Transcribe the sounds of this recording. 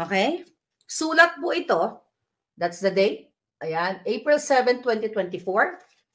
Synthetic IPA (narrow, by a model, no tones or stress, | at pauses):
ʔokɛj | suːlɐt̪̚pʊʔɪt̪o̞ | d̪at̪sd̪ɐd̪ejt̪̚ | ʔɐjanʔejpɹɪlsɛvɛnt̪wɛ̃nt̪it̪wɛnt̪ɪfoɹ